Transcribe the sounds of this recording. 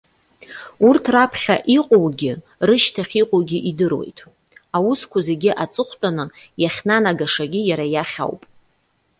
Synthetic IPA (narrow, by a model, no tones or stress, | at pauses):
urtʰrapʰχʲaʔiqʼowɡʲɪ | rɨʃtʰaχʲiqʼowɡʲɪʔidɨrwe̞̰jtʼ | awʊskʷʰʊze̞ɡʲɪʔat͡sʼɨχʷt͡pʷʼanɨjaχʲnanaɡaʂaɡʲijaɾajaχʲa̰wpʼ